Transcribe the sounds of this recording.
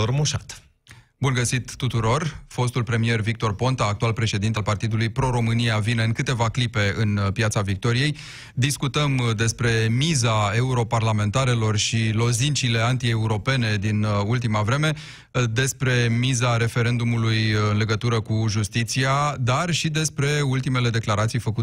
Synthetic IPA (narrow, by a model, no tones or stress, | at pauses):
ormuʃat̪ | bunɡəsit̪ːut̪uɾo̞rfo̞st̪ulpɾe̞mije̞rvik̚t̪o̞rpo̞nt̪aːk̚t̪ualpɾe̞ʃe̞d̪int̪ealpart̪id̪ulujpɾo̞ɾo̞mɨniavine̞ɨŋkɨt̪e̞vaklipe̞ɨnpjat̪savik̚t̪o̞ɾije̞j | d̪iskut̪əmd̪e̞spɾe̞mizae̞uɾo̞parlame̞nt̪aɾe̞lo̞rʃilo̞zint͡ʃile̞ant̪ie̞uɾo̞pe̞ne̞d̪inult̪̬imavɾe̞me̞ | d̪e̞spɾe̞mizaɾe̞fe̞ɾe̞nd̪umulujɨnle̞ɡət̪uɾəkuʒust̪it̪siad̪arʃid̪e̞spɾe̞ult̪ime̞le̞d̪e̞klaɾat̪sijfəku